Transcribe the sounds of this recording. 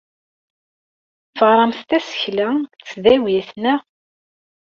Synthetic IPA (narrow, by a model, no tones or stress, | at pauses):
fəʁɾˤɑmθt̪æsə̥çlæt͡sːðæwjæθnæ